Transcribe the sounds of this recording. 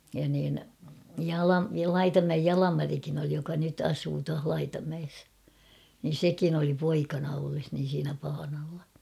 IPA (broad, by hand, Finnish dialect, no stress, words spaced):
jɑ niːn jɑlɑ lɑitɑmæej jɑlɑmɑrikin oli jokɑ nyt ɑsuː tuɑh lɑitɑmæes nin̞ sekin oli poikɑnɑ olːes niːn̞ siːnæ pɑːnɑlːɑ